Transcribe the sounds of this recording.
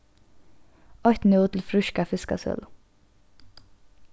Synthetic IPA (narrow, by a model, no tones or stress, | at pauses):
ɔht̪n̩ɪt̪ʰl̩fɾʏʃkafɪska̰sœ̰l